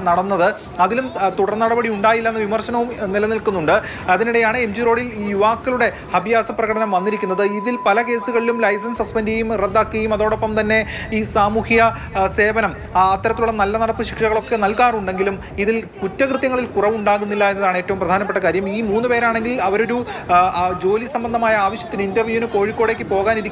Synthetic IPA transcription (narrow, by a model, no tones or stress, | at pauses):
nɐɽɐnːɐðɨ | ɐðilumt̪uɽɐrnːɐɽɐbɐɽiuɳɖaːjilːɐenːɨʋimɐrɕɐnɐʋumnilɐnilkunːuɳɖɨ | ɐðiniɽe̞jaːɳɨemd͡ʑiro̞ːɽiliːjuʋaːkːɐluɽe̞ | hɐbjaːsɐprɐɣɐɽɐnɐmʋɐnːiɾikʲːunːɐðɨiðilpɐlɐke̞ːsuɣɐɭilumlɐjs̬ɐnsɐspɐndiɐjumred̪ːaːkːɐjumɐðo̞ːɽo̞pːɐmt̪ɐnːe̞iːsaːmuːhijɐ | se̞ːbɐnɐm | ɐt̪ːɐɾɐt̪ːiluɭːɐnɐlːɐnɐɽɐpːɨɕi̥kʂɐɣɐɭo̞kːe̞nɐlkaːruɳɖe̞ŋɡilum | iðilkutːɐkrɨt̪jɐŋːɐɭilkurɐʋuɳɖaːɣunːilːaːe̞nːɐðaːɳe̞ːtːɐʋumprɐd̪ʱaːnɐpːeʈːɐkaːɾjɐmiːmuːnːɨpe̞ːɾaːɳe̞ŋɡilɐʋɐɾo̞ɾu | d͡ʑo̞ːlisɐmbɐnd̪ʱɐmaːjɐaːʋɐɕjɐ̥t̪ːinɨindɐrʋjuːinɨko̞ːɻikʲːo̞ːɽe̞kʲːɨpo̞ːɣaːniɾikʲː